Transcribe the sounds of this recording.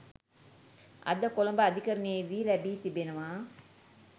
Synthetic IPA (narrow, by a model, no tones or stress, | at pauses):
ɐ̰d̪əkolombaːd̪ʱikɐɾɐneːd̪iːlæbiːt̪ibenɐʋaː